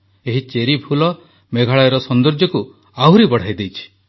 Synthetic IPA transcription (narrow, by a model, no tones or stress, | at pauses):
eɦit͡ʃeɾipʰulɔ | meɡʱaɭajɔɾɔsɔnd̪ɔɾd͡ʒɔku | awɾibɔɽ̤ajd̪ejt͡ʃʰi̥